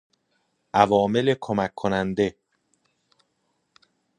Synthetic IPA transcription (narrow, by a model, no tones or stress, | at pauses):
ʔævɒːme̞le̞kʰomækʰːonænd̪e̞